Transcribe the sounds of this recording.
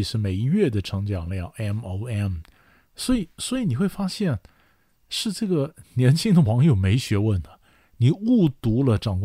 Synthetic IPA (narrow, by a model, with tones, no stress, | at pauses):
i˨˩ʂɻ̩˥˩me˨˩ɪi˧˥ɥɛ˥˩d̪ə˩ʈ͡ʂʰɤ˧˥ŋt͡ɕjɑ˨˩ŋljɑ˥˩ŋʔɛ˥mo˧˥ʊɛ˥˩m | swɔ˧˥i˨˩swɔ˧˥i˨˧˥ni˨˩xwe˥˩ɪfa˥ɕjɛ˥˩n | ʂɻ̩˥˧ʈ͡ʂɤ˥˩ɡə˩njɛ˧˥nt͡ɕʰi˥ŋd̪ə˨wɑ˧˥ŋjo˨˩ʊme˧˥ɪɕɥɛ˧˥wə˥˩nd̪ə˩ | ni˨˩˦u˥˩t̪u˧˥lə˨ʈ͡ʂɑ˨˩ŋk